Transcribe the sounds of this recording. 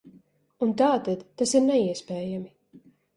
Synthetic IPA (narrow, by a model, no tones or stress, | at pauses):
unt̪aːt̪ad̪ːasiɾnɛiɛspɛːjami